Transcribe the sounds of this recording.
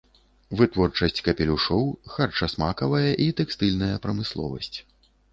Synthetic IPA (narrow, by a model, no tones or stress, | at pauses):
vɨt̪vɔrt͡ʂɐsʲt͡sʲkɐpʲɛlʲuʂɔwxart͡ʂɐsmakɐvɐjɐʔit̪ɛkst̪ɨlʲnɐjɐpɾɐmɨslˠɔ̰vɐ̰sʲt͡sʲ